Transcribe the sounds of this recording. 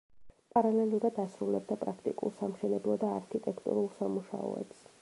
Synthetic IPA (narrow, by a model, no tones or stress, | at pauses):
pʼaɾalɛlˠuɾad̪asɾulɛb̚d̪apʼɾakʰt̪ʼḭkʼṵlˠsamʃɛnɛblˠɔd̪aːɾkʰit̪ʼɛkʰt̪ʼṵɾulˠsamuʃa̰ɔ̰ɛ̰ps